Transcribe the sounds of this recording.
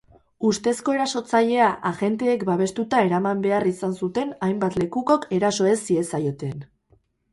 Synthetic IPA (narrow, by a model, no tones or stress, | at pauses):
ust̪e̞sko̞e̞ɾaso̞t͡saʎe̞aʔaɣe̞nt̪e̞ːkbaβ̞e̞st̪ut̪ae̞ɾamambe̞arisansut̪e̞najmbat̪le̞kuko̞ke̞ɾaso̞e̞sie̞sajo̞t̪e̞n